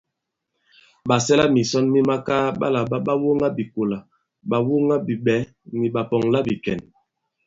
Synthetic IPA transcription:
ɓa˨sɛ˦la˦mi˨sɔ˦nmi˦ma˦ka˦ɓa̰˦la˨ɓa˦ɓa˦wo˦ŋa˦bi˨ko˨la˨ | ɓa˨wo˦ŋa˦bi˨ɓɛ˨˦ | ni˨ɓa˨pɔ˨ŋla˦bi˨kɛ˨n

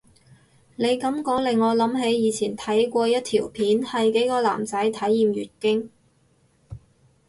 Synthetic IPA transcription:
ne˨˧jkɐ˨˥mkɔː˨˥klɪ˨ŋːɔː˨˧lɐ˨˥mɦe˨˥jjiː˨˧t͡sʰiː˨˩nt̪ʰɐ˨˥jkʷɔː˧jɐ˥t̚t̪ʰiː˨˩wpʰiː˨˥nhɐ˨jke˨˥jkɔː˧la̰ː˨˩mt͡sɐ˨˥jt̪ʰɐ˨˥jːiː˨mjy̰ː˨˩t̚kɪ˥ŋ

